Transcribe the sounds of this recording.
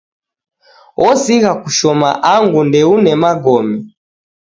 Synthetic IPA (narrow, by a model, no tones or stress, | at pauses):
ʔɔsiɣakuʃɔma̰ʔaŋɡundɛunɛmaɡɔmɛ